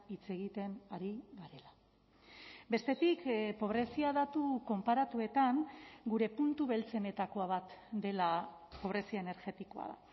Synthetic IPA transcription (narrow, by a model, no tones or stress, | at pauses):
it͡se̞ɣit̪e̞naɾiβaɾe̞la | be̞st̪e̞t̪ikpo̞β̞ɾe̞siaðat̪uko̞mpaɾat̪ue̞t̪aŋɡuɾe̞punt̪uβe̞lt͡se̞ne̞t̪ako̞aβat̪d̪e̞lapo̞β̞ɾe̞siaene̞ɾɣet̪iko̞a̰ða̰